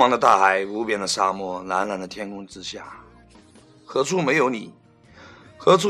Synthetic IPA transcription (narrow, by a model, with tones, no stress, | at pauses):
ɑ˧˥ŋd̪ə˧t̪a̰˥˩xa˧˩ɪu˧˥pjɛ˧˥nd̪ə˧ʂa˥˧mwɔ˥˩la˧˥nla˧˥nd̪ə˧t̪ʰjɛ˥nkʊ˥ŋʈ͡ʂɻ̩˥ɕja̰˥˩ | xɤ˧˥t͡sʰu˥˩me˧˥ɪjo˧˥ʊni˨˩˦ | xɤ˧˥ʈ͡ʂʰu˥